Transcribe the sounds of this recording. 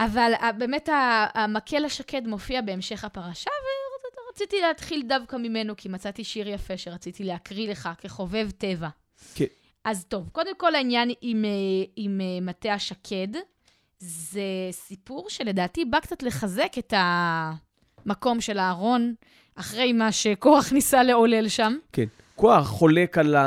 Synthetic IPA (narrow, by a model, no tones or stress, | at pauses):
ʔavalabe̞ːmetaːmakʰe̞laʃake̞dmo̞fiabe̞ːmʃe̞χapaʁaʃaveʁat͡sitileat̪χildavkamime̞no̞kʰimat͡sat̪iʃiʁjafe̞ʃeʁat͡sit̪ileakʁile̞χakeχo̞ve̞vte̞va | ʔazt̪o̞vko̞d̪e̞mko̞lainjanimeimemateaʃakʰe̞d | zesipuʁʃe̞le̞daːtibakt͡sat̪le̞χaze̞ke̞ta | mako̞mʃe̞laːʁo̞n | ʔaχʁe̞jmaʃeko̞aχnisale̞o̞le̞lʃamken | koaχːo̞le̞kala